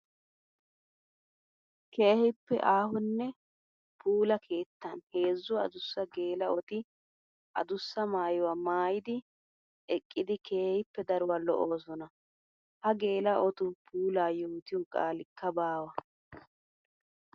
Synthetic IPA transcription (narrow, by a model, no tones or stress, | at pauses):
kʰe̞ːhɪpːɛ̰ʔaːhʊnːɛ | pʰuːlɐkʰe̞ːt̪ːɐnhe̞ːzːʊɐ̰d̪ʊsːɐɡe̞ːlɐɔt̪ɪ | ʔɐ̰d̪ʊsːɐmaːjɔwaːmaːjɪd̪ɪ | ɛkʼːɪd̪ɪke̞ːhɪpːɛd̪ɐɾʊwɐlɔ̰ʔoːsɔnɐ | hɐɡe̞ːlɐʔɔt̪ʊpʰuːlaːjuːt̪ɪjɔkʼa̰ːlɪkːɐbaːwɐ